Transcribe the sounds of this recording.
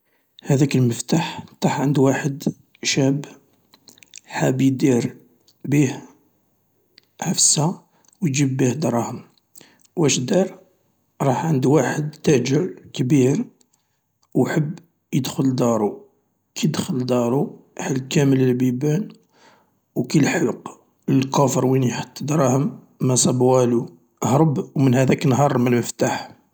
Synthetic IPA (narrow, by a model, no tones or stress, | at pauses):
hæd̪ækəlməft̪aħt̪ˤɑħʕənd̪waħəd̪ | ʃæb | ħabid̪iɾ | bih | ʕafsa | wjd͡ʒibːihd̪ɾˤɑhəm | wʔæʃd̪ɑɾˤ | ɾˤɑħʕənd̪waħəd̪t̪ːæʕd͡ʒəlkbiɾ | wħəbː | jəd̪xʊld̪ɑɾˤu | kʰid̪xəld̪ɑɾˤuhælkæmələlbibæn | wkilħəlq | ləlkofəɾwiniħə̥t̪ˤːd̪ɾˤɑhəmː | æsˤɑbwælu | həɾˤbwmənhæd̪æknɦɑɾˤməlməft̪aħ